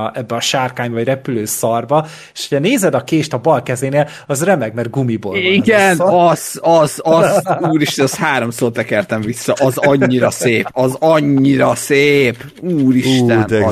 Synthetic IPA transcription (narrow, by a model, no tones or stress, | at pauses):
ʔɛbːɛɒʃaːrkaːɲvɒɟrɛpyløːsɒrbɒ | eʃhocʰɛneːzɛd̪ɒkeːʃt̪ɒbɒlkɛzeːneːl | ɒzrɛmɛɡmɛr̚ɡumiboliɡɛnɒz̥ɒzzuːɾiʃt̪ɛnɛshaːɾo̞msoːt̪ɛkɛrt̪ɛɱvisːɒʔɒzɒɲːiɾɒseːpɒzɒɲːiɾɒseːp | uːɾiʃt̪ɛn